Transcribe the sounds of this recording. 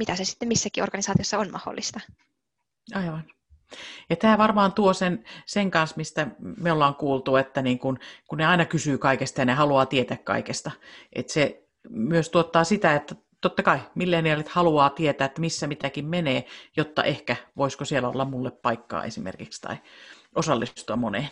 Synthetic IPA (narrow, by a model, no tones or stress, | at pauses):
mit̪æsesi̥t̪ːemisːækiorɡ̥ɑnisɑːt̪iosːɑonmɑ̰ho̰lːist̪ɑ | ɑiʋɑn | jɑt̪æːʋɑrmɑːnt̪uosenseŋkɑnsmist̪æmeolːɑːŋkuːlt̪uet̪ːæniːŋkunkunneɑinɑkysyːkɑikest̪ɑjɑnehɑluɑːt̪iet̪ækkɑ̰ikest̪ɑʔḛt̪se | myøst̪uot̪ːɑːsit̪æet̪ːæ | t̪ot̪ːɑkɑimilːeːniɑlːit̪hɑluɑːt̪iet̪æːet̪ːæmisːæmit̪ækimmeneːjot̪ːɑ̰ʔehkæʋoiskosielæo̰lːɑmmulːeppɑikːɑ̰ːḛsimḛrkikst̪ɑ̰i | ʔosɑlːist̪uɑmmoneːˑ